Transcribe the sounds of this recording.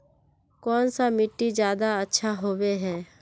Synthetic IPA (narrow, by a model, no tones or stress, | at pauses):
kɔːnsamɪʈːid͡ʒjaːd̪aətːʃʰaɦoːweɦɛː